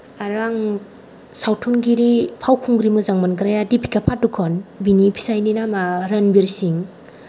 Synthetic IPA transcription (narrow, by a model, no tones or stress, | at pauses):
aɾaŋ | sawtʰunɡiɾipʰawkʰuŋɡɾimɯzaŋmanɡɾajadipʰi̥kapʰatukʰɔnbinipʰi̥sajninamaɾənbiɾsiŋ